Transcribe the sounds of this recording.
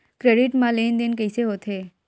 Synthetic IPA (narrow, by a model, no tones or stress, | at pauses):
kɾeɖiʈmãlend̪enkejseɦot̪ʰe